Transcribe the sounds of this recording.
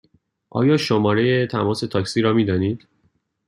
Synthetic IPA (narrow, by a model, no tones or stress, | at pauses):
ʔɒ̰ːjɒːʃomɒːɾe̞jet̪ʰæmɒːse̞t̪ʰɒːcsiːɾɒːmiːd̪ɒːniːd̪̥